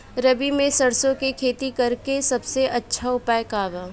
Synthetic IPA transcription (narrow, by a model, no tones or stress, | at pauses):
ɾɐbimẽsɐɽsõkekʰeːt̪ikɐɾkesɐbseʔɐtːʃʰaʊpaːjkaːʋa